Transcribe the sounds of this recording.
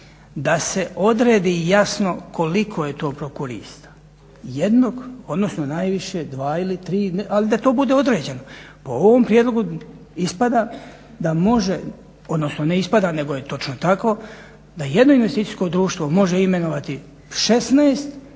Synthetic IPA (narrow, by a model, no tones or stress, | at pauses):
d̪ase̞o̞d̪ɾeːd̪ijasno̞kʰo̞likʰo̞je̞t̪o̞ːpɾokuɾḭst̪ḁ | jed̪noɡo̞d̪no̞snonajʋiʃe̞d̪ʋaːilit̪ɾiːnʔalid̪at̪oːbud̪e̞o̞d̪ɾe̞ːd͡ʑe̞no | poo̞ʋo̞mpɾijed̪lˠo̞ɡu | ispad̪aː | d̪amo̞ʒe | o̞d̪no̞snone̞ispad̪aːne̞ɡo̞je̞t̪o̞t͡ʃnot̪ako̞ | d̪aje̞d̪no̞inʋest̪iːt̪ijsko̞d̪ɾuːʃt̪ʋomo̞ʒeime̞noʋat̪i | ʃesnaːst̪